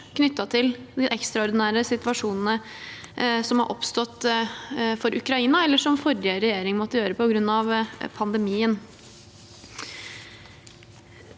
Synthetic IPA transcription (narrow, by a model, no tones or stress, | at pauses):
knʏt̪ːɑt̪ʰɪld̪ɪʔɛkst̪ɾɑɔɾd̪ɪnæːɾəsɪt̪ʋɑʂuːnn̩ə | sɔmhɑ̰ʔɔpst̪ɔt̪ː | fɔɾʔʉkɾɑiːnɑɛlːəʂɔmfɔɾəɾɛjeːɾɪŋmɔt̪ːəjøːɾəpʰɔɡɾʉnːɑʋpʰɑnd̪əmiːən